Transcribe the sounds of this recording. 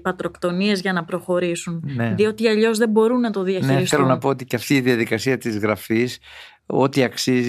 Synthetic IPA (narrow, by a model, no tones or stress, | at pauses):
pɐt̪ɾo̞kt̪o̞nie̞zʝɐnɐpɾo̞xo̞ɾisunneðio̞t̪iɐʎo̞zðe̞bo̞ɾunːɐt̪o̞ðiɐçneiɾiθelonɐpo̞ot̪iceɐft̪iːðiɐðikɐsiɐt̪izɣɾɐfis | o̞̰t̪iɐksiz